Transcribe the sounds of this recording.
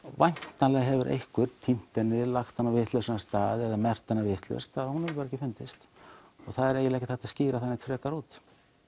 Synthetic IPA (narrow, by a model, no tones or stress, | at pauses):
vajn̥t̪anlɛɣɦɛvʏɾʔḛjhkvʏɾ̥t̪ʰin̥t̪ɛnːɪlaxt̪hanːavɪt̪lœsɪnast̪aːðɛðamɛr̥t̪anːavɪht̪lœ̰st̪ʰaðhunɪpaɾɛhcɪfɪnt̪ɪst̪ | ɔɣθaðɛɾeːjɪlɛːjcɪθaht̪asciːɾaθanːɛt̪ʰɾɛːkaɾuːt̪